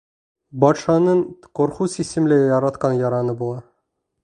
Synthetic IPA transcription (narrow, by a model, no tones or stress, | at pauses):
bɒt̪ʃɑnɤɴqoɾχusisɘ̆mlæjɒɾɑt̪qɑnjɒɾɑnɤbulˠɑ